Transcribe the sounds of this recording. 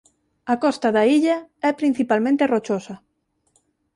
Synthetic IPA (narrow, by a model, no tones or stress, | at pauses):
ɐkɔst̪ɐðaiʎaɛpɾin̟θipalmẽnt̪erot͡ʃosɐ